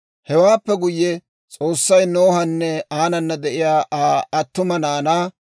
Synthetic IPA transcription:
hɛwaːpːɛɡʊjːɛ | t͡sʼo̞ːsːɐjnoːhɐnːɛaːnɐnːɐd̪ɛʔɪjaːaːɐt̪ːʊmɐnaːnaː

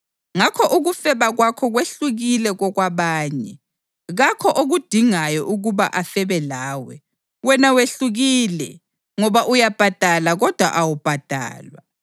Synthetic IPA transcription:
ŋakʰɔʔuɣufɛβaɣwakʰɔɣweɬuɣilɛɣɔɣwaβaːɲɛ | ɣakʰɔʔoɣud̥ʱiŋajɔʔuɣuβaʔafɛβɛlaːwɛ̰ | wɛnaweɬuɣilɛ | ŋɔβaʔujab̥ʱad̥ʱalaɣɔd̥ʱwa̰ʔawub̥ʱad̥ʱa̰ːlwa

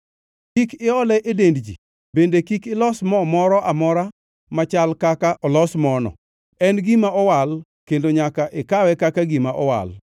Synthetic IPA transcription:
kikɪɔlɛʔedendd͡ʒḭ | bendekikɪlɔsmɔmɔɾɔʔamɔɾa | mat͡ʃalkakaʔɔlɔsmɔnɔ̰ | ɛnɡimaɔwal | kendoɲakaʔɪkawɛkakaɡimaʔɔwa̰l

